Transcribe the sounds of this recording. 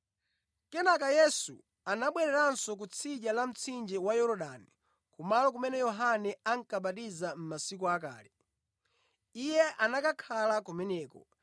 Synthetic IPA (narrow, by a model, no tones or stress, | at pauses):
kɛnakajɛsṵ | anaɓwɛɾɛɾansɔk̬ut͡sʰiʄalam̩t͡sʰind͡ʒɛwajɔɾɔɗani | kumalɔk̬umɛnɛjɔɦanɛaŋ̩kaɓatizam̩masikɔaka̰ːlɛ | ijɛʔanakakʰalakumɛnɛːkɔ̰